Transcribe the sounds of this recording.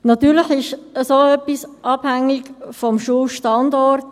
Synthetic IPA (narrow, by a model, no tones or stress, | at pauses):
nɑtyːɾləxɪʃəsoːœpːisʔɑb̥hæŋɪkfɔmʃuːlʃtɑndɔɾt